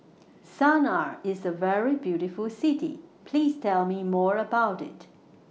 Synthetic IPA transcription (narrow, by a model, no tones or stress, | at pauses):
sanaɹɪzəvɛɹibjuɾɪfəlˠsɪɾḭpʰl̥iːz̥tʰɛlˠmimɔːɹəbaʊɾɪ̰t